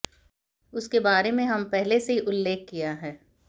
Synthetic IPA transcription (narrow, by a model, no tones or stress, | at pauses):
ʊskebaːɾemẽɦɐmpɛɦleseiʔʊlːeːkːijaɦɛː